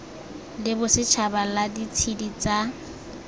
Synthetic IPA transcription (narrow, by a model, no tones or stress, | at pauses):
lɪbʊsɪt͡ʃʰabaladit͡sʰidit͡sa